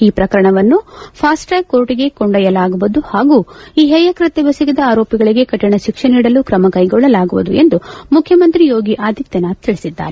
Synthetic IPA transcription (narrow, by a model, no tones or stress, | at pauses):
iːpɾɐkɐɾɐɳɐʋɐnːupʰaːsʈɐjkoːɾʈiɡe̞kɔɳɖɐjɐlaːɡuʋud̪uhaːɡuːiːɦɛjɐkɾɐt̪ɛʋɐsiɡid̪ɐaːɾoːpjiɡɐɭiɡe̞kɐʈːiɳɐʃikʂɐniːɽɐlukɾɐmɐkɐjɡɔɭːɐlaːɡuʋud̪ṵe̞nd̪umukʰjɐmɐnt̪ɾijo̞ːɡiʔaːd̪it̪jɐnaːt̪iɭisid̪ːa̰ːɾe